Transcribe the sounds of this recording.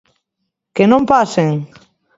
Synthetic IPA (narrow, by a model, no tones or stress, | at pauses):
kenõmpaseŋ